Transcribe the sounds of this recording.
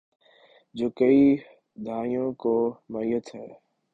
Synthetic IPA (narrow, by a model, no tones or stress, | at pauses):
d͡ʒoːkəiː | d̪ʱaːijõːkoːmaːiːət̪ɦɛː